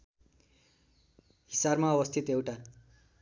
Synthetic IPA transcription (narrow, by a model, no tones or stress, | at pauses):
ɦisarmaʌbʌst̪ʰit̪ewʈa